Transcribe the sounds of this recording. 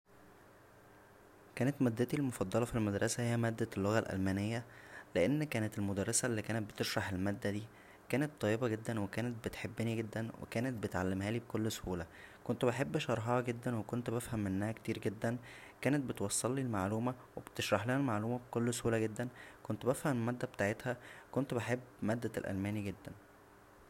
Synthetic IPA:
kæːnæt̪mæd̪ːæt̪ilmofɑd̪ˤːɑlɑfilmæd̪ɾˤɑsæhejːæmæːd̪ːælːoɣælʔæ̰lmænejːæleʔenːkæːnet̪elmod̪ærˤːɑsæʔlːiːkæːnet̪̚bet̪eʃɾˤɑħelmæːd̪ːæd̪iː | kæːnet̪ˤːɑjːebɑɡed̪ːænwekæːnet̪̚bet̪ħebːeniɡed̪ːænwḛkæːnet̪̚bet̪ʕalːemɦæːliːbekolːso̥huːlækont̪obeħebːʃɑɾˤħɑhɑɡed̪ːænwekont̪bæfhæmʔenːæhækt̪iːɾɡed̪ːænkæːnet̪̚bet̪wɑsˤːɑlːilmaʕluːmæwebt̪eʃɾˤɑħlæhælmaʕluːmæbkolːsohuːlæɡed̪ːænkont̪bæfhæmmæːd̪ːæbet̪aːʕet̪hækont̪beħebːmæːd̪ːælʔæ̰lmæːniɡed̪ːæn

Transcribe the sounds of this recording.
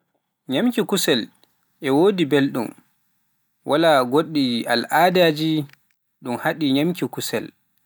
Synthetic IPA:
ɲamkikusɛl | ʔɛwoːdibelɗum | wʔalaɡoɗːia̰lʔaːdaːd͡ʒi | ɗumhaɗiɲamkikusɛ̰l

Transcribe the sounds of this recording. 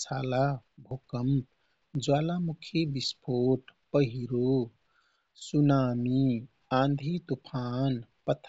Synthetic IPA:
sʰaːlabʱoːkəm | d͡ʒwaːlamukʰjebispʰoːʈpəɦiɾo | sunaːmi | ãːnd̪ʱit̪upʰanpət̪ʰ

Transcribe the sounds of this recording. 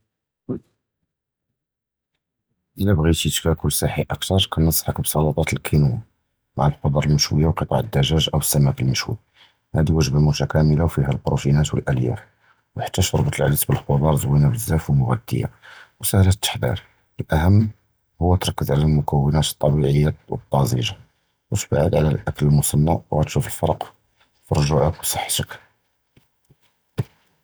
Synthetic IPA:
ʔəlæbɣit̪ət̪kækʊlːsæħiʔəkt̪ɑɾˤkʰænəsˤħəkbsˤɑlut̪ˤɑt̪əlkʰinuw | maʕalqod̪ˤɑɾˤəlməʃwəjːawqət̪ˤɑ̰ʕəd̪ːæʒæʒʔəwəsːæmækəlməʃwḭ | hæd̪iwəʒbamuʃækæməlawfihælbɾufinæt̪wə̰lʔæljæ̰f | wħḁt̪ːæʃɑɾˤbət̪ˤəlʕ̰lisbəlxod̪ˤɑɾˤzwinabəzːæfwəmʊɣæd̪ːə̰jːa̰wsəhlæt̪ːə̥ħd̪ḭɾ | əlʔæhəmː | hʊwːæt̪ɾˤɑkːəzʕalælmʊkəwːənæt̪ət̪ˤːɑbiʕəjːawə̰t̪ˤːɑzˤḭʒa | wət̪ba̰ʕəd̪ʕlæ̰lʔækləlmʊsˤɑnːawɣæt̪ʃufəlfɑɾˤq | fiɾˤʒʊʕəkwsˤɑħːt̪ək

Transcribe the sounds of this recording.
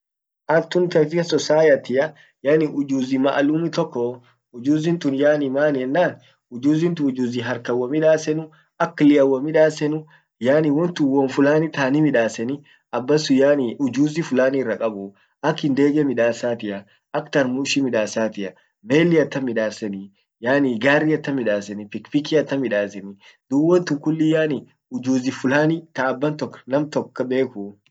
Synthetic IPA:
ʔɐnt̪ːʊnt̪ɐfɪɐsɔsaːjɐt̪ɪʔɐ | jaːnɪʔʊd͡ʒuːzɪmɐ̰ʔɐluːmɪt̪ɔkːɔ | ʊd͡ʒuːzɪnt̪ʊnjaːnɪmaːnɛnːaːn | ʊd͡ʒuːzɪnt̪ʊʊd͡ʒuːzɪɦɐɾkɐwːɐmɪᶑaːsɛnʊ | ɐkːlɪjɐwːɐmɪᶑaːsɛnʊ | jaːnɪwɔnt̪ʊnwɔnfʊlaːnɪt̪aːnɪmɪᶑaːsɛnɪ | ɐbːɐsʊjaːnɪʔʊd͡ʒuːzɪfʊlaːnɪrːɐkʼɐbʊ | ʔɐkːɪnd̪e̞ːɡɛmɪᶑaːsaːt̪ɪʔɐ | ʔɐkt̪ɐɾmuːʃimɪᶑaːsaːt̪ɪʔɐ | me̞ːlːɪɐt̪ːɐmɪᶑaːsɛnɪ | jaːniɡaːrːiɐt̪ːɐmɪᶑaːsɛnɪpɪkpɪkiɐt̪ːɐmɪᶑaːsɛnɪ | d̪̥uwɔnt̪ʊŋkʊlːɪjaːnɪ | ʊd͡ʒuːzɪfʊlaːnɪt̪aɐbːɐnt̪ɔkːɐ̥nɐmt̪ɔkːɐbe̞ːkʊ

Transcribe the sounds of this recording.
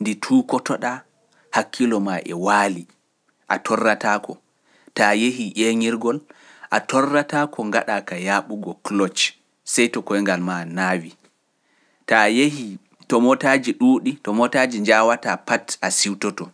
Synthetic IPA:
nditʰuːkɔtɔɗa | hakːilɔmaʔɛ̰waːli | ʔa̰tʰɔrːatakɔ | tajeɦiʔeŋiɾɡɔl | ʔatɔrːatakʰɔŋɡaɗakajaɓuɡɔklɔt͡ʃ | sajtɔkɔjŋɡalmanaːwi | tajehi | tɔmɔtad͡ʒiɗuːɗitɔmɔtad͡ʒiɲd͡ʒawatapatʔasiwtɔtɔ

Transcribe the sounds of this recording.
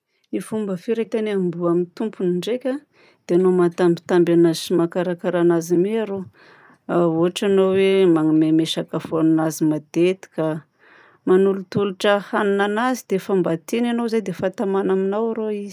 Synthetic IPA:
nifumbəfiɾek̪ʲanambuamint̪umpuniɳɖ͡ʐekʲa | d̪̥eanomat̪ambi̥t̪ambanazi̥imakaɾakaɾanazimieaɾo | oɦaʈ͡ʂanowemaŋimemeʃakafoannazimad̪̥et̪i̥ka | manulut̪uluʈ͡ʂəhaninanazid̪̥efambat̪inanozajd̪efat̪amanaminawaɾoizi̥

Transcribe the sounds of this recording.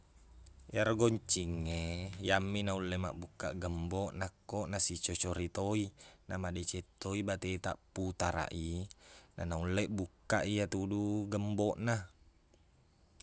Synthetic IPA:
jaɾɡoɲt͡ʃiŋːejamːinaulːema̰ʔbukːa̰ʔɡəmboʔnakːoʔnasit͡ʃot͡ʃoɾit̪oinamadet͡ʃet̪ːoibat̪et̪a̰ʔput̪aɾa̰ʔinanaulːeʔbukːaʔijat̪uduɡəmboʔna

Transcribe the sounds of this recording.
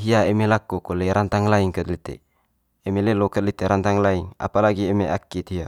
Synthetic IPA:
ɦiaɛmelakukɔlɛɾant̪aŋlaiŋkəd̪lit̪ḛː | melelokəd̪̚lit̪eɾant̪aŋlaiŋa̰palaɡiɛmeakːit̪ia

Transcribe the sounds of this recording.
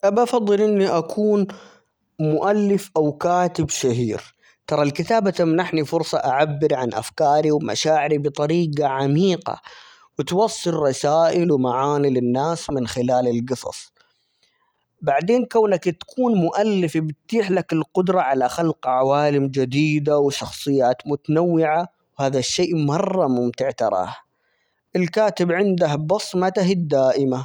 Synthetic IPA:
ʔabfɑðˤːɨlʔɪnːiʔakʰuːn | mʊʔalːɪfʔawkaːt̪ɪbʃaɦḭːɾ | t̪ɑɾˤɑlkɪt̪aːbat̪amnaħnifʊɾsˤɑʔaʕabːɪɾʕanʔa̰fkɑːɾiwma̰ʃaːʕɪɾibɨt̪ˤɑɾiːɡaʕamiːqɑ̰ | wɪt̪wɑsˤːɨlrˤɑsaːʔɪlwmaʕaːnilɪnːaːsmɪnxɪlaːlɪlɡɨsˤɑ̰sˤ | baʕd̪eːnkawːnakt̪ḁkʰuːnmʊʔalːɪfibɪt̪t̪iːħlakɪlqʊd̪ɾˤɑʕalaxalqʕawaːlɪmd͡ʒad̪iːd̪awʃɑxsˤɨjːaːt̪mʊt̪anawːɪʕa | whaːðaʃːeːʔmɑrˤːɑmʊmt̪ɪʕt̪ɑ̰ɾˤɑ̰ːh | ʔɪlkaːt̪ɪbʕɪnd̪ahbɑsˤmat̪aɦɪd̪ːaːʔɪma

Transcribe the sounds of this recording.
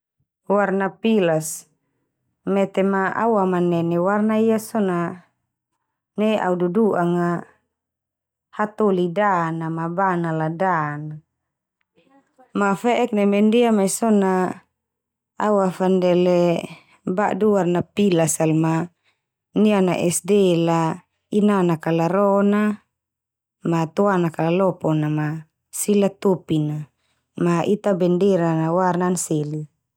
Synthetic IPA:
warnapilas | mɛt̪ɛmaa̰wamanɛnɛwarnaijasɔna | nɛa̰ududuʔaŋa | hat̪ɔlidanamabanaladana | mafɛʔɛk̚nɛmɛndiamaisɔna | awafandɛlɛ | baʔduwarnapilasalma | niana̰ʔɛsdɛla | inanakalaɾɔna | mat̪uanakalalɔpɔnama | silat̪opina | maʔit̪abɛndɛɾanawarnanseli

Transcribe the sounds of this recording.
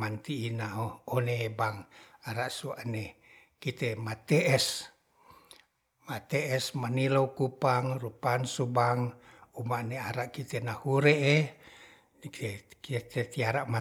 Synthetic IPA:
mant̪iːnaoonebaŋaɾaʔsuane | kit̪emat̪eʔɛs | mat̪ɛɛsmaniloukupaŋrupansubaŋumaneaɾaʔkit̪enahuɾee | kit̪et̪iaɾama

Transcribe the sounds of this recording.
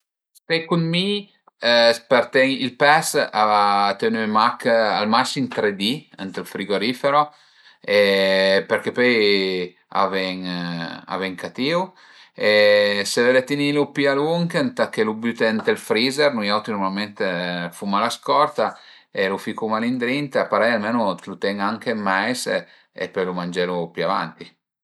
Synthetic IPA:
spejkunmi | speɾt̪ɛŋilpɛsat̪enymaka̰lmasimt̪ɾed̪iə̰nt̪elfɾiɡoɾifeɾo | epeɾkepøj | a̰vɛŋa̰vɛŋkʰat̪iw | esevɛlet̪inilupialuŋkent̪akːelubyt̪ent̪elfɾiːzeɾnujawt̪inoɾmalment̪efumalaskɔrt̪a | elufikumalind̪ɾint̪apaɾɛjalmeːnolut̪ɛŋaŋk̟emajs | ḛpːɔjlumand͡ʒɛlopyava̰nt̪i

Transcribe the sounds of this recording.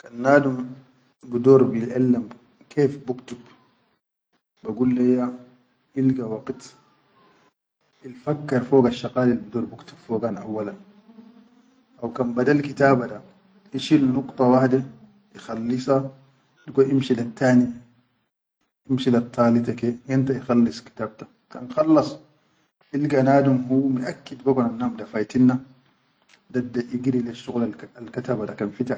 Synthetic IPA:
kanːaːdum | bid̪oːɾbilʔalːam | kʰeːfbukt̪ub | baɡulːajːa | ʔilɡawɑqt̪ | ilfakːɑɾˤfoːɡaʃːɑqaːlilbid̪oːɾbukt̪u̥bfoːɡanʔa̰wːalan | ʔawkanbadalkit̪aːbada | iʃilnuqt̪ˤɑwaħd̪i | ixalːisa | dɡoʔimʃilat̪ʰːaːni | ʔimʃilat̪ʰːɑːlit̪akeint̪aixalːisˤki̥t̪aːb̚t̪ḁ | ka̰nxɑlːɑsˤ | filɡanaːdumhumiʔakːid̪bakonanːaːmdafajt̪inːa | dadaʔiɡiɾileʃːuɣlaalkat̪abadakanfit̪a

